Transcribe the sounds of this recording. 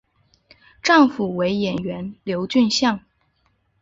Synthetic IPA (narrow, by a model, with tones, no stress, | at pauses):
ʈ͡ʂɑ˥˩ŋfu˨˩we˧˥ɪjɛ˨˩nɥɛ˧˥nljo˧˥ʊt͡ɕy˥˧nɕjɑ˥˩ŋ